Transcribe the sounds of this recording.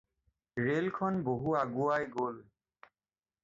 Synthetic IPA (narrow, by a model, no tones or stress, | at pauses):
ɹelkʰɔnboɦuaɡuajɡol